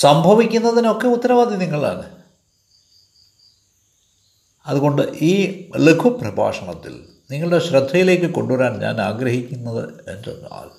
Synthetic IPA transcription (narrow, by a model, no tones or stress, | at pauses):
sɐmbʱɐʋikʲːunːɐðino̞kːe̞ut̪ːɐɾɐʋaːd̪ʱiniŋːɐɭa̰ːɳɨ | ɐðuɣo̞ɳɖɨʔiːlekʰuprɐbʱa̰ːʂɐɳɐt̪ːḭl | niŋːɐɭɽeɕrɐd̪ʱːɐjile̞ːkːɨko̞̰ɳɖuʋɐɾaːɳɲa̰ːnaːɡɾɐɦikʲːunːɐðɨ̰ḛnd͡ʑɐ̰na̰ːl